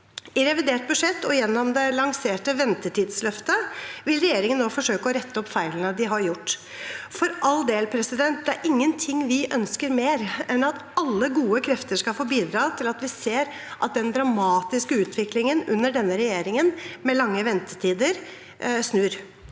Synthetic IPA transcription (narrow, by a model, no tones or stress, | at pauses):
ɪɾɛʋɪd̪eːʈ̚bʉʂɛt̪ːɔjɛnːɔmd̪ɛlɑŋseːʈəʋɛnt̪əʈiːd̪slœft̪əʋɪlɾɛjeːɾɪŋənːoːfɔʂøːkəɔɾɛt̪ːəɔpːfæɪlənəd̪ɪɦɑɾjʊʈː | fɔɾʔɑld̪eːlpʰɾɛsɪd̪ɛnt̪̚d̪ɛæɾʔɪŋːənt̪ʰɪŋːʋɪʔœnskəɾmeːɾɛnɑt̪ | ɑlːəɡuːəkʰɾɛft̪əʂkɑlfoːbiːd̪ɾɑːt̪ʰɪlɑt̪ʋɪseːɾ | ʔɑt̪̚d̪ɛnd̪ɾɑmɑːt̪ɪskəʉːt̪ʰʋɪklɪŋənʉ̰nːəɖɛnːəɾɛjeːɾɪŋənmɛlɑŋːəʋɛnt̪ə̥tʰiːd̪əɾ | snʉːɾ